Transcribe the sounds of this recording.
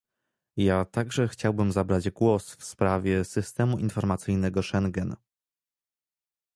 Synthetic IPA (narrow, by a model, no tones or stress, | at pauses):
jat̪aɡʐɛxt͡ɕawbɘmzabɾad͡ʑɡwɔsfspɾavʲjɛsɘst̪ɛmuʔinfɔɾmat̪sɘjnɛɡɔʂɛŋɡɛn